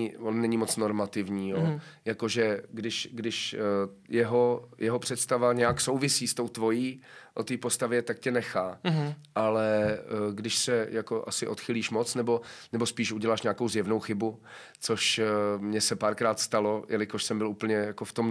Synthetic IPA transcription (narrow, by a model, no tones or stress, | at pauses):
vonnɛɲɪmot͡sno̞ɾmat̪ɪvɲiːjojako̞ʒɛɡdɪʃɡdɪʃjɛɦojɛɦopr̝̥ɛt̪st̪avaɲɛjakso̞wvɪsiːst̪o̞wt̪vo̞jiːʔot̪iːpo̞st̪avjɛt̪ak̚cɛnɛxaːʔalɛɡdɪʃsɛjako̞ʔa̰sɪʔo̞t̪xɪliːʃmo̞t͡snɛbo̞nɛbospiːʃuɟɛlaːʃɲaːkowzjɛvnowxɪbu | t͡soʃmɲɛsɛpaːɾkɾaːt̪st̪alo̞jʔɛlɪkoʃsɛmbɪluːpl̩ɲɛjakoft̪om